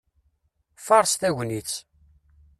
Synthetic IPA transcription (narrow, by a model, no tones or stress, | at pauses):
fɑɾˤsθæʝʷnit͡sː